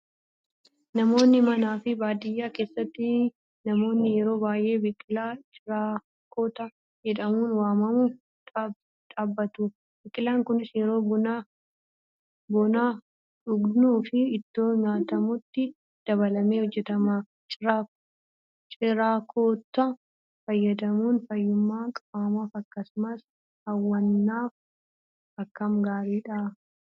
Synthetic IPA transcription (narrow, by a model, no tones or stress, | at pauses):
nɐmo̞ːnːɪmɐnaːfɪbaːd̪ɪjːaːke̞ːsːɐt̪ːɪ | nɐmo̞ːnːɪjɛɾo̞ːbaːjʔe̞ːbɪkʼɪlaːt͡ʃʼɪɾaː | koːt̪ɐ | d͡ʒɛᶑɐmuːnwaːmɐmu | ᶑ̪ʼaːbːɐt̪u | bɪkʼɪlaːŋkʊnɪsjɛɾo̞ːbʊna | bɔnaː | ᶑʊɡnuːfɪːt̪ːo̞ːɲaːt̪ɐmʊt̪ːɪ | d̪̥ɐβɐlɐmeːhɔd͡ʒːɛt̪ɐma | t͡ʃʼa | t͡ʃʼɪɾaːkʰoːt̪ːɐ | fɐjːɐd̪ɐmuːnfɐjːʊmːaːkʼaːmafɐkːɐsʊmɐs | hɐwːɐnːaːf | ɐkːɐmɡaːɾiːᶑɐ